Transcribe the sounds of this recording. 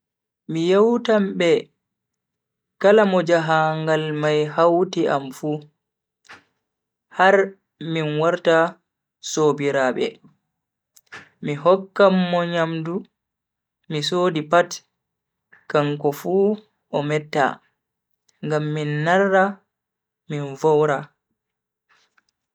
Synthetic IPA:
mijawtambɛ | kalamɔd͡ʒaɦaŋɡalmajɦawtiʔamfu | haɾ | minwaɾta | sobiɾaːɓɛ̰ | miɦɔkːamːɔɲamdu | misoːdipat | kaŋkɔfu | ʔɔmɛtːa̰ | ŋɡamːinːarːa | minvɔwɾa

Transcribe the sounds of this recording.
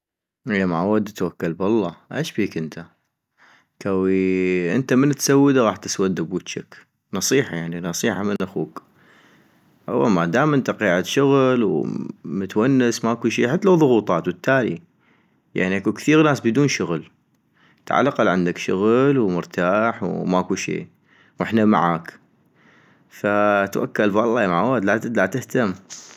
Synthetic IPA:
ʔɪjamaʕwad̪ːat̪wakːalbɑlˤːɑʔeːʃbiːkʔɪnt̪ʰa | kawiʔɪ̰nt̪amɪnt̪sawːəd̪aɣɑːħt̪ɪswad̪ːabuːt̪t͡ʃak | nɑsˤiːħɑjaʕninɑsˤiːħamənʔaxṵːk | ʔa̰wːamad̪aːmənt̪ɑqiːʕat̪ʃʊɣlwmʊt̪wanːɪsmaʔkuʃiːħɪat̪ːalawðˤʊɣuːt̪ˤɑːt̪wɪt̪ːaːlḭ | ja̰ʕniʔakukθiːɣnaːsbɪd̪uːnʃʊɣl | t̪ʕa̰lːaqɑlʕɪnd̪akʃʊɣlwmʊɾt̪ʰaːħwmakuʃḭː | wʔɪħnama̰ʕaːk | fat̪wa̰kːalfɑlˤːɑːmaʕwad̪lat̪ɪt̪laʕt̪ɪht̪amː

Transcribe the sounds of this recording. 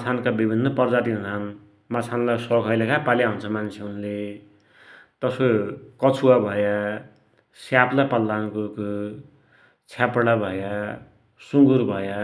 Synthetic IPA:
mt͡sʰankabibʱinːʌpʌrd͡zat̪innan | mat͡sʰanlajsʌkʰʌjlakʰapaljaɦunt͡sʰʌmant͡sʰeunle | t̪ʌsokʌt͡sʰuabʱʌja | sjaplapʌlːankuko | t͡sʰjapɽabʱʌja | suŋɡuɾbʱʌja

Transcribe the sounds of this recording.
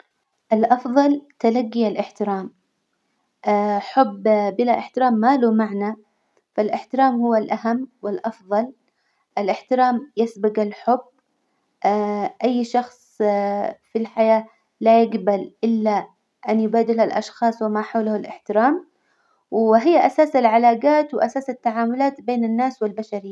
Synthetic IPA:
ʔɪlʔɑfðˤɑlt̪alaɡːialʔɪħt̪ɪɾaːm | ʔaħʊbːbɪlaʔɪħt̪ɪɾaːmːaːlumaʕna | falʔɪħt̪ɪɾaːmhʊwːalʔahamːwɪlʔɑfðˤɑl | ʔɪlʔɪħt̪ɪɾaːmjɪsbɪɡɪlħʊb | ʔaʔajːʃɑxsˤ | filħajaː | lajɪɡbalʔɪlːa | ʔanjʊbaːd̪ɪlhalʔɑ̰ʃxɑːsˤwɪmaħawlahalʔɪ̰ħt̪ɪɾaːm | wɪɦɪjːaʔasaːsɪlʕalaːɡaːt̪wɪʔasaːsɪt̪ːaʕaːmʊlaːt̪beːnɪnːaːswɪlbaʃaɾi

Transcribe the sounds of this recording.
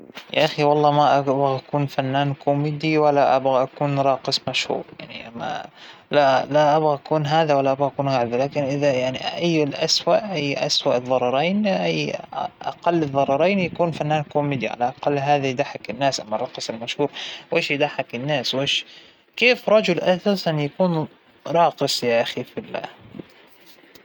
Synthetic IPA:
ja̰ʔaxiwɑlˤːɑːmaʔabɣaʔakuːnfanːaːnkʰʊmid̪iwalːaʔabɣaʔakuːnɾˤɑːqɨsˤmaʃhṵːɾja̰ʕnḭʔamːa̰lalaʔabɣaʔakuːnɦaːðawalːaʔabɣaʔakuːnɣaʕbalaːkɪnʔɪðajaʕniʔajːɪlʔaswaʔʔajːʔaswaʔɨðˤːɑɾˤɑɾˤeːnʔajːʔa̰qɑlːɪðˤːɑɾˤɑɾˤeːnjakuːnfanːaːnkomɪd̪ja̰ʕa̰laʔɑqɑlːɦaːðajɪd̪aħakɪnːaːsʔamːɑrˤɑːqɨsˤɪlmaʃhuːɾˤweːʃjɪd̪aħakɪnːaːsweːʃ | keːfɾˤɑd͡ʒʊlʔasaːsanjakuːn | ɾˤɑːqɨsˤjaʔaxifilːa̰ː

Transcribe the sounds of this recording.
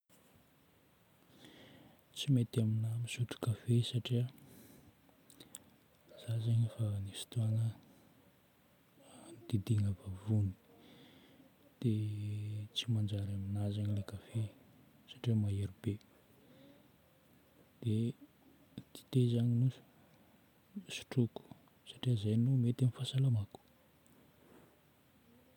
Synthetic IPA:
t͡simet̪aminamisuʈ͡ʂu̥kafesaʈ͡ʂiə | z̥azaɲifanifi̥t̪uanə | d̪̥id̪iŋəvavuni̥ | d̪̥e | t͡simand͡ʒaɾaminazaɲilekafe | sḁʈ͡ʂiəmaeɾibe | d̪̥e | t̪i̥t̪ezaɲinuzu̥ | su̥ʈ͡ʂuku̥ | saʈ͡ʂiəzajnomet̪anifasalamaku̥

